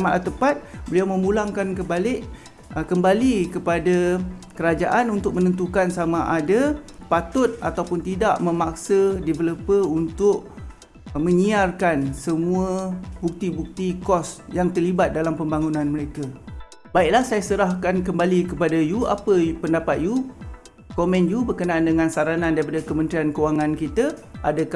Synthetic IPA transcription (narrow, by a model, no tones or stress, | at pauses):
maʔt̪əpat̪̚bəliawmə̃mulaŋkankəbalɪʔ | kəmbalikəpadakəɾad͡ʒa̰ʔanunt̪ʊk̚mənənt̪ukansamaʔadapat̪ʊt̪̚at̪awpʊnt̪idaʔməmak̚sədevəlupəunt̪ʊʔ̚ | mə̃ɲiarkansəmuəbuk̚t̪ibuk̚t̪ikɔsjaŋt̪ərlibat̪̚dalampəmbaŋunãnməɾeka | baiʔ̚lahsajasəɾahkankəmbalikəpadajua̰pəpəndapat̪̚ju | komɛ̃njubərkənaːndəŋansaɾanandaɾipadakəmə̃nt̪ɾiankəwaŋankit̪əʔadak